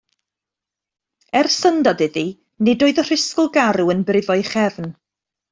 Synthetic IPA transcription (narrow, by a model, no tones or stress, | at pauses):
ɛrsəndɔdɨði | nɪdoːɨðər̥ɪskʊlˠɡaɾuənbrɪvɔɨχɛvn